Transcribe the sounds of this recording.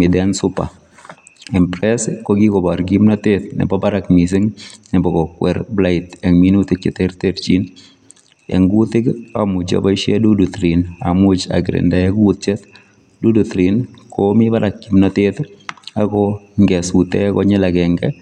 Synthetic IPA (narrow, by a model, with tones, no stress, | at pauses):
mɪ˨d̪ɛnsʊ˦pa̰˨ | ɛmpɾɛskoɡi˦kɔ˨baɾɡimnatet̪nɪ̰˨bɔbaɾa˨kmis̬ɪ˦ŋnɪ˨bɔ˨kɔ˨kwɛ˨ɾbla˦ɪtɛ˨ŋmi˦nut̪ɪ˦t͡ʃe˨teɾteɾt͡ʃi˦n | ɛ̰˨ŋɡut̪ɪ˦kamu˨d͡ʒa̰ba˦ʃe˦du˦dut̪ɾi˨na̰˨mut͡ʃa̰˨ɡɾḛndaje˦ɡut̪̚t͡ʃɛ˦t̪ | du˦du˨t̪ɾinkʰomiba˦ɾa˨k̚ɡimnatet̪akɔŋɡɛ˨sut̪ɛ˦kɔ˦ɲɛ˦la˨kɛ˨ŋɡɛ